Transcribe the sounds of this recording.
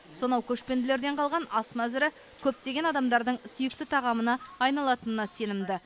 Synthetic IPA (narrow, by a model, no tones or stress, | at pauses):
so̞nɑwkʲʰɵʃpe̞nd̪ɪle̞ɾd̪e̞ɴqʰɑlˠʁɑnɑsmæzɪɾɪ | kʲʰɵp̚t̪e̞ɡʲe̞nɑd̪ɑmd̪ɑɾd̪əɴsʏjɪk̚t̪ɪt̪ʰɑʁɑmənɑːjnɑlˠɑt̪ənənɑse̞nɪmd̪ɪ